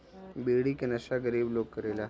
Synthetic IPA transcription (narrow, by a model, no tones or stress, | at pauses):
beɽiːkenəɕaɡəɾiːblokkəɾela